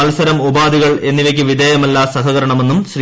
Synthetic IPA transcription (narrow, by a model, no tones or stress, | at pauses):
ɐlsɐɾɐmubaːd̪iɣɐɭe̞nːiʋɐkʲːuʋid̪eːjɐmɐlːasɐɦɐɣɐɾɐɳɐme̞nːumɕri